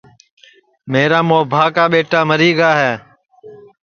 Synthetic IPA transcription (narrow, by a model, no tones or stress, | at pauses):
meːɾaːmoːbʱaːkaːɓeːʈaːməɾiːɠaːɦɛː